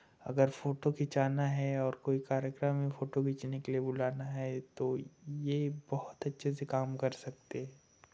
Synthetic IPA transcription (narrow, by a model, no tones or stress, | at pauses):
ɐ̰ɡəɾfoːʈokʰɪt͡ʃaːnaɦɛɔːɾkoːikaːɾjəkɾəmːẽfoːʈokʰɪt͡ʃnekeliebʊlaːnaɦɛt̪ojebɔɦʊt̪ɐtːʃʰes̬ekaːmkɐɾsɐk̚t̪eɦɛ̃ː